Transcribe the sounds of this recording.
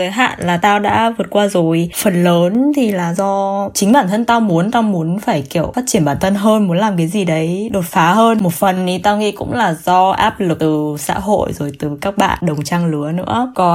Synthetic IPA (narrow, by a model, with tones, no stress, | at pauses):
kaː˨˦jɦa̰ː˧˨nlaː˨˩t̪aː˧wɗa̰ː˧˥vɨ˨˩ət̚kwaː˧zo˨˩jfə˨˩nləː˨˦nt̪ʰi˨˩laː˨˩zɔ˧t͡ɕï˨˦ŋ̟ɓaː˧˩nt̪ʰə˧nt̪aː˧wmu˨˦ənt̪aː˧wmu˨˦ənfaː˧˩jki˧˩əwfaː˦˥t̚t͡ɕi˧˩ənmɓaː˧˩nt̪ʰə˧nɦəː˧nmu˨˦ənlaː˨˩mk̬aː˨˦jzi˨˩ɗə˨˦jɗo˨˩t̚faː˨˦ɦəː˧nmo˨˩fə˨˩nni˨˦t̪aː˧wŋḭ˧˥kʊ̰˧˥ŋ͡mlaː˨˩zɔ˧ʔa̰ː˦˥p̚lɨ˨˩t̪ɨ˨˩sa̰ː˧˥ɦo̰˧˨jzo˨˩jt̪ɨ˨˩kaː˦˥k̚ɓa̰ː˧˨nɗə˨˩wŋ͡mt͡ɕaː˧ŋlɨ˨˦ənɨ̰˧˥əkɔ˨˩